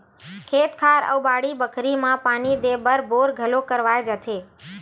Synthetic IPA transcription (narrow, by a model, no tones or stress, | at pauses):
kʰet̪kʰaɾə̰wbaɽibəkʰɾimãpanid̪ebəɾboɾɡʱəlokəɾʋajd͡ʒət̪ʰe